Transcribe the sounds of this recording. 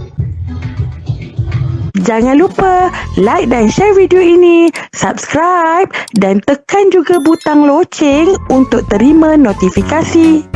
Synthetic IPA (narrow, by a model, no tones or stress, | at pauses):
d͡ʒaŋãnlupəlajk̚danʃɛrvidioinĩsap̚skɾajp̚dant̪əkand͡ʒuɡabut̪aŋlot͡ʃɛŋunt̪ʊk̚t̪əɾimãnot̪ifikasi